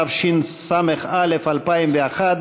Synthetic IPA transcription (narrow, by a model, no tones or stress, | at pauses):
afʃinsamɪxaːlɪfalpaːimbjaxad̪